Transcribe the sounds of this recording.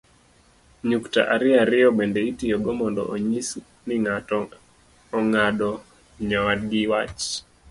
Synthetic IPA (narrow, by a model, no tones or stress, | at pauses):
ɲukta̰ʔaɾɪaɾɪjɔbɛndɛitijɔɡɔmɔndɔ̰ʔoɲis | niŋatɔː | ŋaɗɔ | ɲawad̚ɡiwat͡ʃ